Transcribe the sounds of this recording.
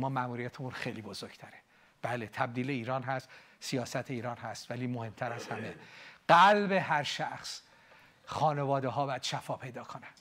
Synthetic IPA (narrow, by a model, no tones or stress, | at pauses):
mɒːmæmuːɾijæt̪ʰemunxe̞jliːbozoɾɡ̥t̪ʰæɾe | b̥æːlet̪ʰæb̚d̪iːleiːɾɒːnɦæst̪sijɒːsæt̪ʰeiːɾɒːnɦæst̪væliːmohe̞mt̪ʰæɾæzhæmeɢ̥ælbeɦæɾʃæχs | xɒːne̞vɒːd̪eɦɒːbæːd̪̥ʃæfɒːpʰe̞jd̪ɒːkʰonæn̥